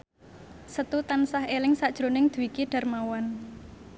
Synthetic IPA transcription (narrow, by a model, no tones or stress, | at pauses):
sət̪ut̪ansaɦelɪŋsaʔd̥ʒ̥ɾonɪŋd̪̥uwikiɖ̥a̤rmawan